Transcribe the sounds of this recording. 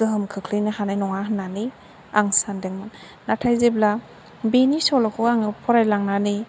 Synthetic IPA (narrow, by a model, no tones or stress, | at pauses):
zɯɦɯmkʰɯkʰlɯjnahanajnɔŋaɦɯnːani | aŋsandeŋmɯnː | atʰajzebla | benisɔlɔkʰɔaŋɯpʰɔɾajlaŋnani